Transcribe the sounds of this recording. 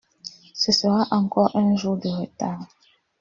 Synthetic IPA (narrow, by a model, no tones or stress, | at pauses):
səsəʁaʔaŋkɔʔɛnʒuʁdəʁeta